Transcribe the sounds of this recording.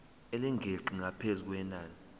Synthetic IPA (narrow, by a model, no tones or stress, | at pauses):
eliŋɡʱeǃiŋʱapʰezuk̬wɛnaːni